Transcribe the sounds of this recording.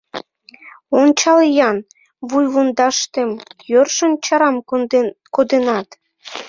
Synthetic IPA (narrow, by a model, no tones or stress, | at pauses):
ont͡ɕɑljɑn | βujβond̪ɑʃt̪emjørʃənt͡ɕɑɾɑmkod̪enɑt̪